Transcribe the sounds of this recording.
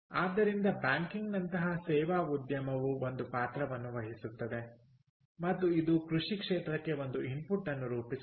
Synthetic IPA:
aːd̪ːɐɾind̪ɐbaːŋkiŋɡnɐnt̪ɐɦɐsɛːʋaːud̪jɐmɐʋuo̞nd̪upaːt̪ɾɐʋɐnːuʋɐɦisut̪ːɐd̪e̞ | mɐt̪ːuid̪ukɾuʂikʂeːt̪ɾɐkːe̞o̞nd̪uimpuʈːɐnːuɾuːpi

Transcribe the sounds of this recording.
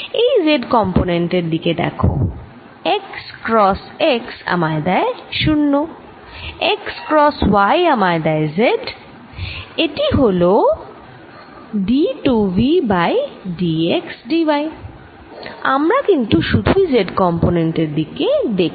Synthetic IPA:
ejzeɖkɔmponeɳʈeɾd̪iked̪ɛ̰kʰo̰ | ekskɾɔs | eksa̰maɾd̪ɛeʃunːo | ekskɾɔswajamaɾd̪ɛezeɖ | eʈiɦolo | ɖiʈuvibajɖieksɖiwaj | a̰mɾakint̪uʃud̪ʱuizeɖkɔmponeɳʈeɾd̪iked̪ekʰ

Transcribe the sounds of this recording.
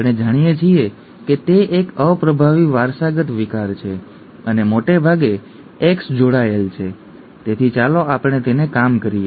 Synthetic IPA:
apɳ̃ed͡ʒaɽ̃ijet͡ʃʰie | ket̪eʔekəpɾəbʱaʋiʋaɾsaɡət̪ʋikaɾt͡ʃʰe | ənemoʈebʱaɡe | eksd͡ʒoɽaelt͡ʃʰe | t̪et̪ʰit͡ʃaloapəɽ̃et̪enekamkəɾie

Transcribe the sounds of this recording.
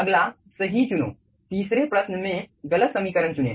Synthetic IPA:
əɡla | səɦit͡ʃuno̰ː | t̪iːsɾepɾɐsnəmẽɡɐlət̪sɐmikəɾənt͡ʃunḛ

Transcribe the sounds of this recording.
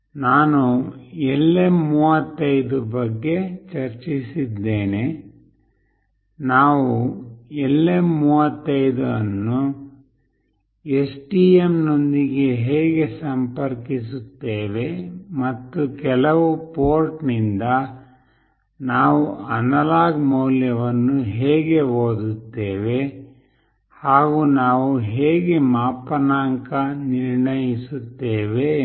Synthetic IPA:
naːnuɛlːemmːuːʋɐt̪ːɐjd̪ubɐɡːe̞t͡ʃɐɾt͡ʃisid̪ːeːne̞ | naːʋuɛlːemːuːʋɐt̪ːɐjd̪uɐnːu | esʈiːemno̞nd̪iɡe̞ɦeːɡe̞sɐmpɐɾkisut̪ːeːʋe̞mɐt̪ːukɛlɐʋupoːɾʈnind̪ɐ | naːʋuɐnɐlaːɡmɐwljɐʋɐnːuɦeːɡe̞oːd̪ut̪ːeːʋe̞ | haːɡuːnaːʋuɦeːɡe̞maːpɐnaːŋkɐniɾɳɐjisut̪ːeːʋe̞

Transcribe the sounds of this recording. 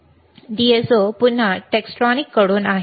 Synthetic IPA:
ɖiesopun̤ːəʈeksʈɔnikːəɽoːnaɦ

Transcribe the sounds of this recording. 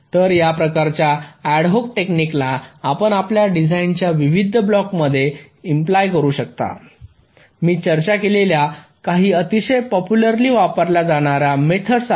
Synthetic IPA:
t̪əɾjapɾəkaɾt͡ɕjaæɽɦokʈekniklaːpəɳapljaɖid͡zʱaint͡ɕjaʋiʋid̪ʱːəblɔkməd̪ʱːje | implajkəɾuːɕəkt̪a̰ | miːt͡ɕəɾt͡ɕakelelja | kaɦiːət̪iɕəjpɔpjuləɾliːʋapəɾlad͡zaɽ̃aɾamet̪ʰəɽs

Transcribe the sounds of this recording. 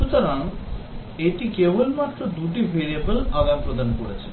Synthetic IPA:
ut̪aɾã | eʈikebolmat̪ːɾɔd̪uʈ̬ifeɾiebəlaɡampɾɔd̪ʱankɔɽet͡ʃʰe̥

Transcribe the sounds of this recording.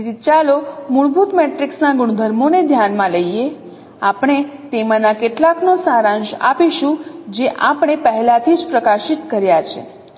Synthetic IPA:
ɾit͡ʃalomuɭbut̪mɛʈɾiksnaɡʊɽ̃d̪ʱəɾmoned̪ʱjanmãləije | apɽ̃et̪emãnakeʈlaknosãɾãnd͡ʒa̰piʃũd͡ʒeʔapɽ̃epəɦɛlat̪ʰid͡ʒpɾəkaʃit̪kəɾjat͡ʃʰḛ

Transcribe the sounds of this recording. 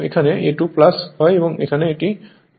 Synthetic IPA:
ḛkʰanɛetuplashɔjebɔŋḛkʰanɛːti

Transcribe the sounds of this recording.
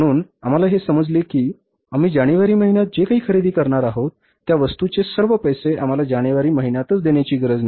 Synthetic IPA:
ɽ̃uːnam̤alaɦesəməd͡zlekiː | amiːd͡ʑaɽ̃iʋaɾiːməɦiɳjat̪̚d͡ʑekaɦiːkʰəɾed̪iːkəɾɳaɾaɦot̪ːjaʋəst̪ut͡ɕesəɾʋəpəjseʔam̤alad͡ʑaɽ̃iʋaɾiːməɦinjat̪ət͡sd̪eɳjat͡ɕiːɡɾəd͡zna

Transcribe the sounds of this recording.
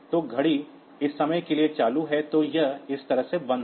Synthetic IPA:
t̪oɡʱɐɽi | ɪsːɐməjkeliet͡ʃaːluɦɛt̪ojɐɦɪst̪ɐɾəɦsebɐ̃nd̪

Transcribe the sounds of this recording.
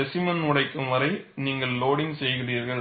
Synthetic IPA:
ɛsɪmɐnʊɽɐɪkːɯmʋɐɾɐɪ | niːŋɡɐɭloːɽɪŋsɛjɣɪriːɾɣɐɭ

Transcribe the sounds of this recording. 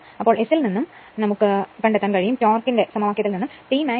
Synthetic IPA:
ɐpːo̞ːɭesilninːum | nɐmukːɨkɐɳɖet̪ːaːnkɐɻijumt͡ɕoːrkːinde̞sɐmɐʋaːkːjɐt̪ilninːumʈiːmaː

